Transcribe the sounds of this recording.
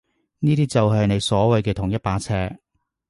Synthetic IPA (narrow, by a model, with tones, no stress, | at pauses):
niː˥t̪iː˥t͡sɐ˨wɦɐ˨jne˨˧jsɔː˨˥wɐ˨jkɛː˧t̪ʰʊ˨˩ŋjɐ˥t̚paː˧t͡sʰɛː˧